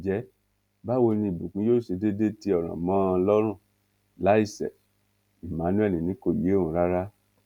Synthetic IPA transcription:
d͡ʒɛ˨˦ | ba˦wo˧nĩ˧i˨bu˨k͡pũ˨˦joː˦˨ʃe˧de˦de˦ti˦ɔ˨ɾ̃ã̰˨mã˨˦˧lɔ˦ɾ̃ũ˦˨ | la˦i˦˨sɛ̰˨ | i˨mã˨˦nũ˦ɛ˦lĩ˨nĩ˨˦ko˦˨je˨˦o˦˨ũ˨˦ɾa˦ɾa˦

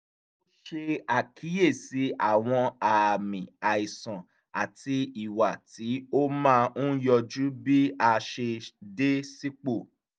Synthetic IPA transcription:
o˦ʃe˧a˨kʰi˨˦je˦˨si˨˦ʔa̰˦˨w̃ɔ̃˧a˨mĩ˨a˨i˨sɔ̃˨ | a˨ti˧i˨wa˨ti˨˦o˦mãː˦ũ˦jɔ˧d͡ʒu˦bi˦a˧ʃe˧de˦si˦k͡po˦˨

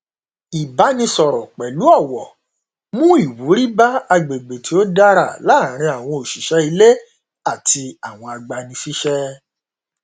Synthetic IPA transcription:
i˨ba˨˦nĩ˧sɔ˨ɾɔ˨k͡pɛ˨lu˨˦ɔ˦˨wɔ˨ | mũ˦i˦˨wu˨˦ɾi˦ba˦a˧ɡ͡be˨ɡ͡be˨tʰi˨˦o˦da˦ɾa˦˨la˦˨ɾ̃ĩ˧a˨w̃ɔ̃˧o˨ʃi˨ʃɛ˦i˧le˦ | a˦˨ti˧a˨w̃ɔ̃˧a˧ɡ͡ba˧nĩ˧fi˦ʃɛ˦

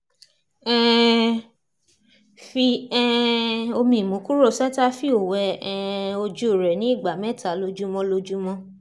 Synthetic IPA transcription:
ɛ˦ | fi˧ɛ˦o˧mĩ˧˨mũ˨˦ku˦ɾo˦˨sa˦ta˦fi˦o˨wɛ˧ | o˧d͡ʒu˦o˦˨ɾɛ˨nĩ˨˦˨ɡ͡ba˨mɛ˦˨ta˨˦lo˧d͡ʒu˦mɔ̃˧lo˧d͡ʒu˦mɔ̃˧

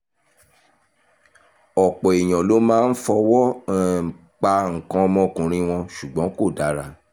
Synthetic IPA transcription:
ɔ˨k͡pɔ˨e˨j̃ɔ̃˨lo˨˦mãː˦˧n̩˦fɔ˧wɔ˦˨ | k͡pa˧ŋ̩˨kã˧ɔ˧mɔ̃˧˦˨kũ˨ɾ̃ĩ˧w̃ɔ̃˧ʃu˨ɡ͡bɔ̃˨˦ko˦˨da˨˦ɾa˧˨

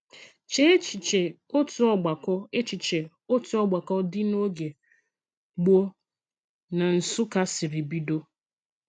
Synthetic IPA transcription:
t͡ʃe˦e˦t͡ʃi˨t͡ʃe˨ | o˦tu˨ɔ˦ɡ͡ba˨kɔ˦e˦t͡ʃi˨t͡ʃe˨ | o˦tu˨ɔ˦ɡ͡ba˨kɔ˦dɪ˦no˦ɡe˨ | ɡ͡bo˦ | na˨n̩˨sʊ˦ka˦si˨ɾi˨bi˦do˦

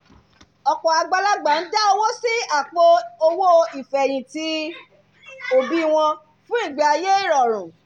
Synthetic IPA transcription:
ɔ˨kɔ̃˨a˧ɡ͡ba˧la˦ɡ͡ba˨n̩˦da˦o˧wo˦si˦a˦˨k͡po˧o˧wo˦i˨fɛ˨j̃ĩ˨ti˧ | o˨bi˦w̃ɔ̃˧ | fũ˦i˦˨ɡ͡ba˧a˧je˦i˦˨ɾɔ˨ɾ̃ũ˨

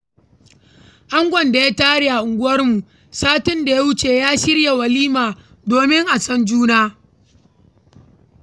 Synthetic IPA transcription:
ʔa˦ŋɡʷɔ˨nda˨ja˦taː˦ɽi˨ʔa˨ʔʊ˨ŋɡʷʊ˦wɐ˦rmu˨ | saː˦tɪ˦nda˨ja˦wʊ˦t͡ʃeː˨jaː˦ʃɪ˦rja˨wɐ˨liː˦maː˨ | doː˨mɪ˦ŋʔa˨sɔ˦nd͡ʒuː˦naː˦

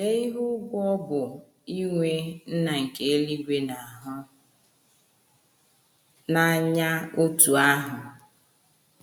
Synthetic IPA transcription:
ne˦i˦ɦu˦ɡʷɔ˦bʊ˨ | i˦ŋʷe˦n̩˦na˨ŋ̩˨ke˦e˦li˦ɡʷe˦na˨ɦʊ˦ | na˨ɲa˦o˦tu˨a˦ɦʊ˨

